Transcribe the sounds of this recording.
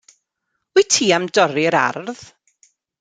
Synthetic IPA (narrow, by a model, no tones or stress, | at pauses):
itʰiːamdɔɾiəɾa̰rð